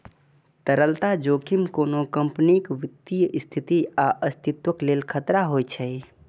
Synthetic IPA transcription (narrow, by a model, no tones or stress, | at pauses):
t̪əɾəlt̪ad͡ʒoːkʰimkoːnokəmpnikʋid̪ijʔst̪ʰit̪iaʔəst̪ʰit̪wəklelkʰət̪ɾaɦojt͡ʃʰə